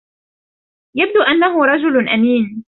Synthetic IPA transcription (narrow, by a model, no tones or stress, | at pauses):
jab̚d̪uːʔanːaɦʊɾˤɑd͡ʒʊlʔamiːn